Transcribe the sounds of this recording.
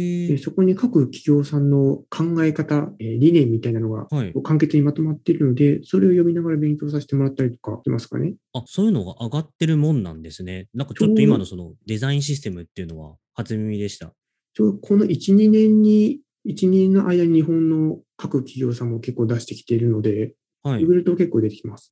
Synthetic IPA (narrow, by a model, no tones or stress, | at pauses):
d̪eso̞ko̞ɲ̟ikakɯ̟kʲi̥ɡʲo̞ːsãnːo̞kʰãŋɡae̞kat̪aeːɾʲinẽ̞mʲːit̪ainano̞ɡa̰aikoːkãŋke̞t͡sɨɲ̟imat̪o̞mat̪ːeɾɯ̟no̞d̪e̞so̞ɾe̞o̞jo̞mʲinaɡaɾabẽ̞ŋkʲo̞ːs̬aɕi̥t̪e̞mo̞ɾat̪ːaɾʲit̪o̥ka̰imasɨ̥ka̰ne̞asoːjɯ̟no̞ɡa̰ʔaɡat̪ːe̞ɾɯ̟mõ̞nːã̰nd̪e̞sɨne̞nãŋkat͡ɕoot̪ːoimano̞so̞no̞d̪e̞zaĩɕ̬isɨ̥t̪e̞mɯ̟t̪ːe̞iɯ̟no̞βa̰ | hat͡sɨmʲimʲid̪e̞ɕi̥t̪a̰ | t͡ɕoːd̪okʰo̞no̞ʔit͡ɕiɲ̟inẽ̞ɲ̟ːi | it͡ɕiɲʲẽnːoʔaid̪aɲ̟iɲiɦõ̞nːo̞kakɯ̟kʲʰiɡʲo̞ːsãmːo̞ke̞kːo̞ːd̪aɕi̥t̪e̞kʲi̥t̪e̞ɾɯ̟no̞d̪e̞ | haiiɡɯɾɯ̟t̪oke̞kːo̞ːd̪e̞t̪e̞kʲimasɨ̥